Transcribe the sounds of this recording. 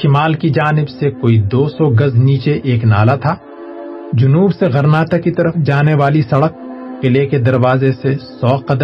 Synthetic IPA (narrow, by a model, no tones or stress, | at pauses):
ʃɪmaːlkid͡ʒaːnɪbsekoːid̪oːsɔɡɐzniːt͡ʃeʔeːkna̰ːlat̪ʰaː | d͡ʒʊnuːbseɣɐɾnaːt̪akit̪ɐɾəfʰd͡ʒaːneʋaːlisɐɽək̚ːɪleked̪ɐɾʋaːzesesɔːqɐd̪ə